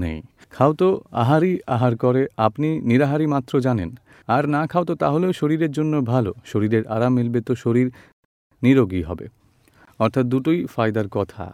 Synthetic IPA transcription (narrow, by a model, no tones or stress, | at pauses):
nḛj | kʰawt̪oa̰ɦaɾiaɦaɾkoɾeapniniɾaɦaɾimat̪ːɾod͡ʑanḛn | aɾnakʰaot̪ot̪aɦoleoʃoɾiɾeɾd͡ʑonːobʱaloʃoɾiɾeɾa̰ɾamelbet̪oʃoɾiɾ | niɾoɡiɦɔ̰bḛ | ɔɾt̪ʰat̪̚d̪uʈojfajd̪aɾkɔt̪ʰa̰